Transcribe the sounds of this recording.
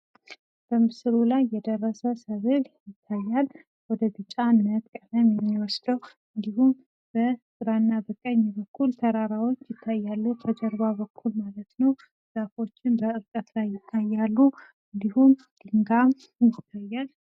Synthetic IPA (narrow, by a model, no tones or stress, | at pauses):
b̥əmɨsɨɾulajːɛd̪ərːəsəsəβɨljɪt̪ʰːajːal | wɔd̪əbɨt͡ʃʼːanːət̪kʼələmjɛmːiwɔsd̪əw | ɨnd̪ihum | b̥əsʼɨɾanːabɨkʼəɲːɛbəkʰːult̪ʰəɾaɾawo̞t͡ʃːjɪt̪ʰːajːalːut̪ʰəd͡ʒəɾbabəkʰːulmalət̪nəw | z̥afo̞t͡ʃːɪnbəɨɾkʼət̪lajːɪt̪ʰːajːalːu | ɨnd̪ihum | d̪̥ɨŋɡa | jɪt̪ʰːajːal